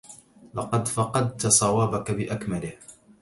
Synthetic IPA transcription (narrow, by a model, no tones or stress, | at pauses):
lɑqɑd̪fɑqɑd̪̚t̪asˤɑwaːbakabɪʔakmalɪh